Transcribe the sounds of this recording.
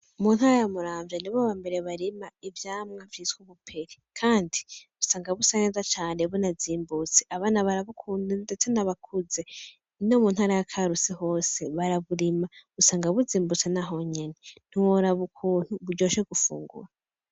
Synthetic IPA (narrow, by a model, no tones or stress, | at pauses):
umunhaːɾajamuɾaːɱvjaniβoβambe̞ɾeβaɾimaivjaːmŋavitkuβupʰe̞ɾekʰaːndiusaːŋɡaβusaɲezat͡ʃaːneβonaziːmbut͡si̥ʔaβaːnaβaɾaβukʰuːndidet͡senaβakʰuze̞ | nomunhaːɾajakʰaɾusiho̞ːse̞βaɾaβuɾimausaːŋɡaβuziːmbut͡senaɦo̞ɲe̞nen̥iwoɾaβukʰuːn̥huβuɟo̞ːʃeɡufṵːŋɡṵɾa